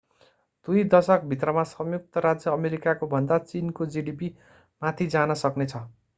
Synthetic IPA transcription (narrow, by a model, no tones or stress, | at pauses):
d̪̥ujd̪ʌsʌk̚bʱit̪̬rʌmasʌmjuk̚t̪ʌɾad͡zjʌːmeɾikakobʱʌnd̪at͡sinkod͡ziɖipi | mat̪ʰid͡zanʌsʌknet͡sʰʌ